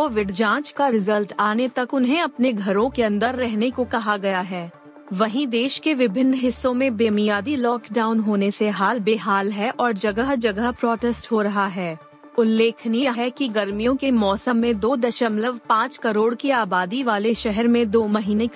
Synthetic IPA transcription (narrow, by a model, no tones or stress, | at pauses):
oːʋɪɖd͡ʒãːt͡ʃkaɾɪzəlʈaːnet̪ɐkʊnɦẽɐpneɡʱɐɾõkeɐ̃nd̪əɾːɛɦnekokɐɦaɡɐjaɦɛː | ʋɐɦĩd̪eːʃkeʋɪbʱɪnːɦɪsːõmẽbeːmijaːd̪ilɔːkɖaːʊnɦoːneseɦaːlbeːɦaːlɦɛʔɔːɾd͡ʒɐɡəɦd͡ʒɐɡəɦpɾɔːʈɛsʈɦoɾɐɦaɦɛː | ʊlːeːkʰniɦɛkiɡɐɾmijõkemɔːsəmːẽd̪oːd̪ɐʃəmləʋpãːt͡ʃkɐɾoːɽkiaːbaːd̪iʋaːleʃɛɦɛɾmẽd̪oːmɐɦiːne